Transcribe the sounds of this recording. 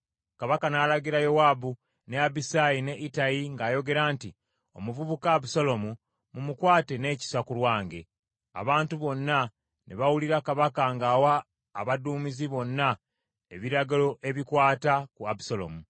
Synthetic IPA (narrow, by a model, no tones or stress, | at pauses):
kaβakanaːlaɡiɾajowaːbu | ne̞abisajine̞ʔitajiŋɡaːjo̞ɡe̞ɾaːnti | o̞̰muvuβukaːbusolo̞mu | mumukwaːte̞ne̞ːci̥sakulwaːŋɡe̞̰ | a̰βaːntuβo̞nːa | neβawuliɾakaβakaŋɡaːwaː | βaduːmiziβo̞nːa | e̞βiɾaɡalo̞ʔe̞βikwaːtakuabu̥solo̞̰mu